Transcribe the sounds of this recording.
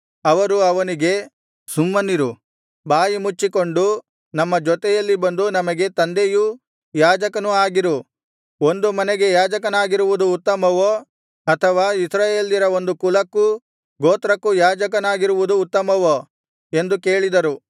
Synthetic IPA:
ɐʋɐɾuɐʋɐniɡe̞ | sumːɐnːiɾu | baːjimut͡ʃːiko̞ɳɖu | nɐmːɐd͡ʒɔt̪ɛjɐlːibɐnd̪unɐmɐɡe̞t̪ɐnd̪eju | jaːd͡ʒɐkɐnuaːɡiɾu | o̞nd̪umɐneɡe̞jaːd͡ʒɐk̬ɐnaːɡiɾuʋud̪uːt̪ːɐmɐʋo | ɐt̪ʰɐʋaːisɾaːje̞ːliɾɐo̞nd̪ukulɐkːu | ɡoːt̪ɾɐkːujaːd͡ʒɐkɐnaːɡiɾuʋud̪uːt̪ːɐmɐʋo | e̞nd̪uke̞ːɭid̪ɐɾu

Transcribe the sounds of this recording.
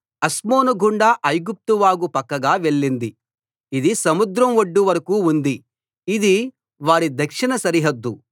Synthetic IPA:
ɐsmoːnuɡʱuɳɖaːʔɐjɡup̚t̪uʋaːɡupɐkːɐɡaːʋe̞ɭːind̪i | id̪isɐmud̪ɾɐmʋoɖːuʋɐɾɐkuːund̪i | id̪i | ʋaːɽid̪ʱɐkʂinɐsɐɾiɦɐd̪ːu

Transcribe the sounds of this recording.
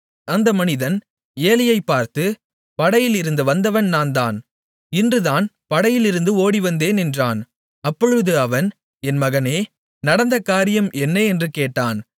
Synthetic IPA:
ɐnd̪ɐmɐnɪðɐn | eːlɪjɐɪpːaːɾt̪ɯ | pɐɽɐjɪlɪɾɯnd̪ɯʋɐnd̪ɐʋɐnnaːnd̪aːn | ɪndrɯðaːn | pɐɽɐjɪlɪɾɯnd̪ɯoːɽiʋɐnd̪eːnɛndraːn | ɐpːɔɻɯðɯɐʋɐn | ɛnmɐɣɐneː | nɐɽɐnd̪ɐkaːɾɪjɐmʔɛnːɐɛndrɯkeːʈːaːn

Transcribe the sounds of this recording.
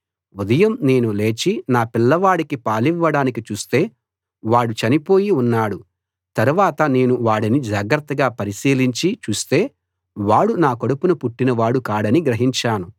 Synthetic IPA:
ud̪ɐjɐmne̞ːnule̞ːt͡ʃinaːpilːɐʋaːɽikipaːliʋːɐɽaːnikit͡ʃuːst̪e̞ː | ʋaːɽut͡ʃɐnipo̞ːjiunːaːɽu | t̪ɐɾuʋaːt̪ɐne̞ːnuʋaːɽinid͡ʒaːɡɾɐt̪ːɐɡaːpɐɾisiːliɲt͡ʃit͡ʃuːst̪e̞ː | ʋaːɽunaːkoɽupunupuʈːinɐʋaːɽukaːɽɐniɡɾɐɦiɲt͡ʃaːnu

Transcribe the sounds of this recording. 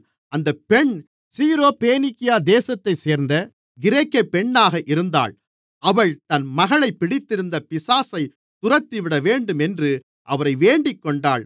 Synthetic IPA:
ɐnd̪ɐpɛɳ | siːɾoːpeːnɪkɪjaːd̪eːsɐt̪ːɐɪseːɾnd̪ɐ | ɡɪɾeːkːɐpɛɳːaːɣɐʔɪɾɯnd̪a̰ːɭ | ɐʋɐɭt̪ɐnmɐɣɐɭɐɪpːɪɽɪt̪ːɪɾɯnd̪ɐpɪsaːsɐɪ | t̪ʊrɐt̪ːiʋɪɽɐʋeːɳɖɯmɛndrɯ | ʔɐʋɐɾɐɪʋeːɳɖɪkːɔɳɖaːɭ

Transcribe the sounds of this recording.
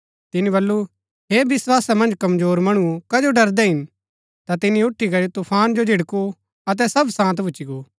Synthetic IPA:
t̪ɪniβɐlːu | ɦeːbɪswaːsamɐ̃nd͡ʒkɐmzoːɾmɐɽ̃ukɐd͡ʒoɖɐɾd̪ɛɦɪn | t̪at̪ɪnĩʊʈʰːikɐɾit̪upʰaːnd͡ʒod͡ʒʱɪɽku | ɐt̪̬ɛsɐbsãːt̪bʱʊːt͡ʃiɡoː

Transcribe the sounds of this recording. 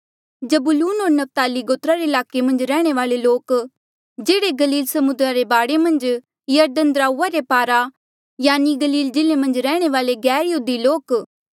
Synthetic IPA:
d͡ʒɐbʊluːnoːɾnɐp̚t̪aːliɡoːt̪ɾaɾeɪlaːkemɐ̃nd͡ʒɾɛːɽ̃eʋaːleloːk | d͡ʒeːɽeɡɐliːlsɐmʊd̪ɾaɾebaːɽemɐ̃nd͡ʒ | jɐɾd̪ənd̪ɾaːuːaɾepaːɾa | jaːniɡɐliːld͡ʒɪlemɐ̃nd͡ʒɾɛːɽ̃eʋaːleɡɛːɾjud̪iloːk

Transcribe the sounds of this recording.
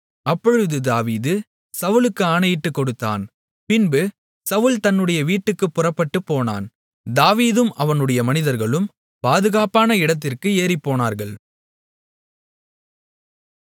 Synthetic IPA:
ɐpːɔɻɯðɯd̪aːʋiːðɯ | sɐʋɯlɯkːɯaːnɐjɪʈːɯkːɔɽɯt̪ːa̰ːn | pɪnbɯ | sɐʋɯlt̪ɐnːɯɽɐjɐʋiːʈːɯkːɯpːʊrɐpːɐʈːɯpːoːna̰ːn | d̪aːʋiːðɯmʔɐʋɐnɯɽɐjɐmɐnɪðɐɾɣɐɭɯm | paːðɯɣaːpaːnɐɪɽɐt̪̬ːɪrkɯeːɾipːoːnaːɾɣɐɭ

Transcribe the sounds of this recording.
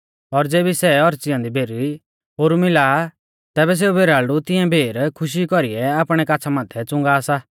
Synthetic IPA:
ɔɾd͡zeːbisɛɔɾt͡sɪjãnd̪ibʱeːɾi | ɦoːɾumɪlaː | t̪ɛːbɛs̬eːubʱeːɾaːɭut̪ɪɛ̃bʱeːɾkʰʊʃ̬ikɔɾiɛaːpɽ̃ɛkaːt͡sʰamãːt̪ʰɛt͡sʊ̃ŋɡaːsaː

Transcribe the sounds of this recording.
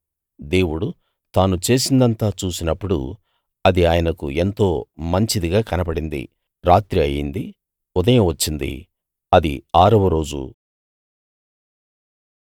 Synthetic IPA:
d̪e̞ːwuɽu | t̪aːnut͡ʃe̞ːsind̪ɐnt̪aːt͡ʃuːsinɐpːuɽṵ | ɐd̪iaːjɐnɐkṵe̞nt̪o̞ːmɐɲt͡ʃid̪iɡaːkɐnɐbɐɽind̪ḭ | ɾaːt̪ɾiɐjind̪i | ud̪ɐjɐmʋɐt͡ʃːind̪ḭ | ɐd̪ḭaːɾɐʋɐɾo̞ːd͡ʒṵ

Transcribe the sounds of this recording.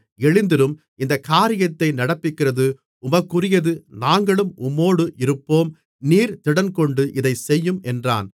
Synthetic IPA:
ɛɻɪnd̪ɪɾɯm | ɪnd̪ɐkaːɾɪjɐt̪ːɐɪnɐɽɐpːɪkːɪrɐðɯ | ʊmɐkːɯrɪjɐðɯnaːŋɡɐɭɯmʊmːoːɽɯʔɪɾɯpːoːm | niːɾt̪ɪɽɐnkɔɳɖɯʔɪðɐɪsɛjːɯmʔɛndra̰ːn

